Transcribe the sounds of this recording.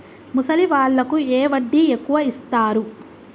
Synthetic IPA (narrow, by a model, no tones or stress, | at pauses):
musɐliʋaːɭːɐkueːʋɐɖːiekːuʋɐist̪aːɾu